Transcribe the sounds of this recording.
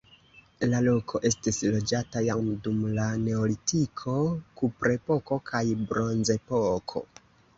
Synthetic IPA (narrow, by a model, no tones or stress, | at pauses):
lalo̞kʰo̞ʔe̞stislo̞d͡ʒatajamdumlane̞olitikʰo̞kupɾe̞po̞ko̞kʰajbɾo̞nze̞pokʰo̞̰